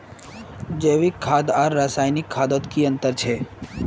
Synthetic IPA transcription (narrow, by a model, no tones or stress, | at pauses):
d͡ʒeʋikʰːaːd̪aɾːasaːjnikʰːaːd̪ot̪kiənt̪əɾt͡ʃʰe